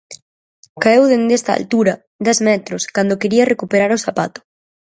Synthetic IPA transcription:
kaewðend̪est̪a̰a̰lt̪uɾɐ | d̪ɛzmɛt̪ɾʊskand̪okeɾiɐrekupeɾaɾosapa̰t̪ʊ̥

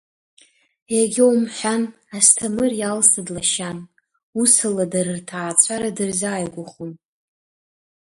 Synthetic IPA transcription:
jaɡʲowmħʷᶣan | astʰamɨrjalsɨdlaʃan | usɨladaɾɨrtʰaːt͡sʷʰaɾadɨrzaːjɡʷʊχum

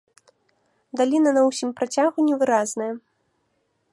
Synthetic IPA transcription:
d̪alʲinɐnɐwsʲimpɾat͡sʲaɣunʲɛvɨɾaznɐjɐ

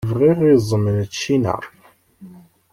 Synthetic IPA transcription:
vriʁizˤəmənət͡ʃːinə̰ɾˤ

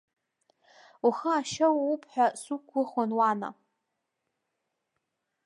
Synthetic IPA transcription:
uχaaʃawaupʰħʷᶣasukʷʰːʊχanwana̰

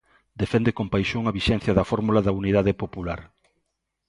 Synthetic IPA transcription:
d̪efɛnd̪ekompajʃoŋɐβiʃɛn̟θjɐðɐfɔɾmulaðɐuniðaðepopulaɾ

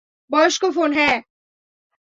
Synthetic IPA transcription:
bɔːʃkofoːnɦɛː

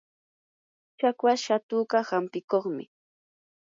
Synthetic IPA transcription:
t͡ʃakwaʃat̪uːɢahampɪkoχmɪ̰

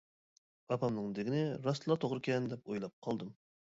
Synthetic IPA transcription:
ɑpʰɑmnɨŋd̪ɪɡʲinɪɾɑst̪lˠɑt̪ʰoʁɾɨkʲʰɛnd̪ɛp̚ojlˠɑp̚qʰɑlˠd̪ɨm

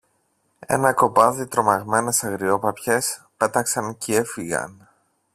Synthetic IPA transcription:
e̞̰nɐko̞pɐðit̪ɾo̞mɐɣme̞ne̞sɐɣɾio̞pɐpçe̞s | pe̞t̪ɐksɐncee̞fiɣɐ̰n

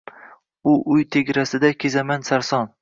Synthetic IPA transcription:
ʊʔʊjt̪ʰe̞ɡʲɾasɪd̪akʲʰezamansaɾsɒn

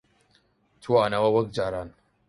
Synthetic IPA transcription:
tʰuanawawɐɡ̚d͡ʒaɾan

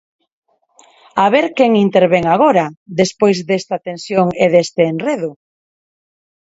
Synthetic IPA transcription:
aβeɾkeŋint̪eɾβeŋaɣ̞oɾɐðespojzd̪est̪at̪ẽnsjoŋeðest̪ɪːnreðʊ

